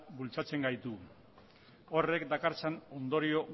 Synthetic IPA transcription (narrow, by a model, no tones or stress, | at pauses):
bult͡sat͡se̞ŋɡajt̪u | o̞re̞kd̪akaɾt͡sano̞nd̪o̞ɾio̞